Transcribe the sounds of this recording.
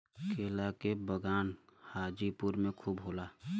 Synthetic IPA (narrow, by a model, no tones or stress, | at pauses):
kʰeːlakebəɡaːnhaːd͡ʒipʊɾmẽkʰuːbɦoːla